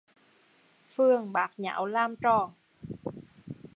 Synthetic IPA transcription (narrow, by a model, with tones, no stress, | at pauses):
fɨ˧əŋɓaː˨˦˥k̚ɲa̰ː˧˩˦wlaː˧mt͡ɕɔ˧˩